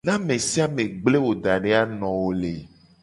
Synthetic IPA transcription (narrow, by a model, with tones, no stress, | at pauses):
nã˦mẽ˨si˦a˦mẽ˨ɡ͡ble˦wo˨d̪a˨ɖe˦a˦nɔ̃˨wo˨le˨